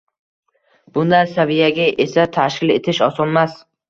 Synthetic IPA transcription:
b̥ʊnd̪ansavijaɡʲaʔesat̪ʰaʃkʲɪle̞̰t̪ʰɪʃɒsɒnmas

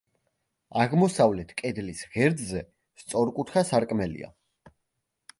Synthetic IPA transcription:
aʁmɔsavlɛt̪ʰkʼɛd̪lisʁɛɾd̪zɛ | st̪sʼɔɾkʼut̪ʰχasaɾkʼmɛlḭa̰

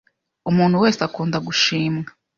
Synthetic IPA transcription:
umuːnhuwe̞ːsakuːndaɡuʃiːmŋa

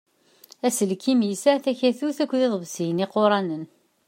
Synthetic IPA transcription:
æsəlkːimisæθæçæθuθækʷːðeðˤvsijənɪqoɾˤɑnən

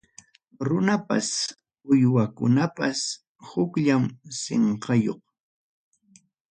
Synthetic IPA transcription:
ɾʊnapa̰s | ʊjwakʊnapas | hʊkʎamsḛɴqɑjoχ

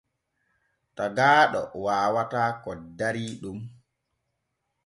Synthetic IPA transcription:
taɡaːɗɔ̰waːwataːkɔdaɾiːɗum

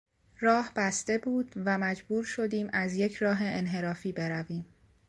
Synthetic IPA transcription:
ɾɒːhb̥æst̪e̞buːd̪̥væmæd͡ʒbuːɾʃo̞d̪iːmʔæzje̞cʰɾɒːɦe̞ʔenɦe̞ɾɒːfiːbe̞ɾæviːm

